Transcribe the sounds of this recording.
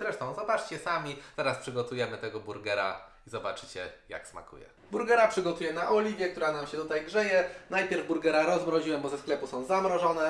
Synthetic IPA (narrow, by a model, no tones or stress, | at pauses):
zɾɛʂt̪ɔ̃w̃zɔbat͡ʂt͡ɕɛsamʲit̪ɛɾaspʂɘɡɔt̪ujɛmɘt̪ɛɡɔbuɾɡɛɾa̰ | izɔbat͡ʂɘt͡ɕɛ̰ja̰ksma̰kʰṵjɛ̰ | buɾɡɛɾapʂɘɡɔt̪ujɛnaʔɔlʲivʲjɛk̚t̪uɾanamɕɛt̪ut̪ajɡʐɛjɛnajpʲjɛɾvbuɾɡɛɾaɾɔzmɾɔʑiwɛmbɔzɛsklɛpusɔ̃w̃zamɾɔʐɔnɛ